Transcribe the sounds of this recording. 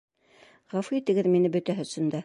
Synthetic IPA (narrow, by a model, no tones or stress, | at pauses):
ʁɑfit̪ɘ̆ɡɘðminɘbɵ̆t̪æɦɵ̆sɵ̆nd̪æ